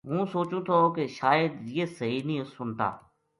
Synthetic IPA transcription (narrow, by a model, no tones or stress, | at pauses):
ɦũːsoːt͡ʃũːt̪ʰoːkeʃaːjəd̪jeːsəɦiːnĩːsʊnt̪a̰ː